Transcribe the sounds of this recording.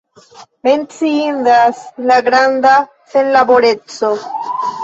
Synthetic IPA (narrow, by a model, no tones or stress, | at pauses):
me̞nt͡siindaslaɡɾand̪a | se̞nlabo̞ɾe̞t͡so̞